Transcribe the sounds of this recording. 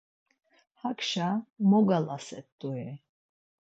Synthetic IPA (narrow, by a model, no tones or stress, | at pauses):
hakʃamɔɡalasɛt̪ʼːuɛ